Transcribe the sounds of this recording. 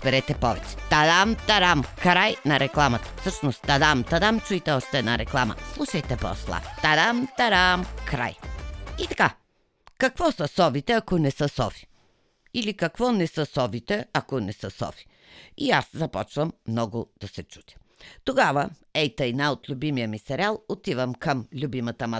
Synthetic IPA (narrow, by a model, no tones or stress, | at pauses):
bɛɾɛt̪ɛpɔvɛt͡ʃɛ̥d̪ad̪amt̪aɾamkɾajnɐɾɛklˠamɐt̪ə̥fsɤʃnost̪̚d̪ad̪amt̪ad̪amt͡ʃuit̪ɛɔʃt̪ɛnaɾɛklˠamə̰slˠuʃɐjt̪ɛpɔ̰slˠa̰ft̪ad̪amt̪aɾamkɾa̰jit̪ḁka | kɐkvɔsəsɔvit̪ɛakonɛsəsɔ̰fi̥ | ilikɐkvɔnɛsəsɔvit̪ɛakonɛsəsɔ̰fi̥ | iaszɐpɔt͡ʃvəmːnɔɡʊd̪̥ɐsɛt͡ʃu̥t̪ʲ | t̪oɡavəɛjt̪əjnaot̪lʲʊbimijəmisɛɾialˠot̪ivəmkəmlʲubimɐt̪əmɐ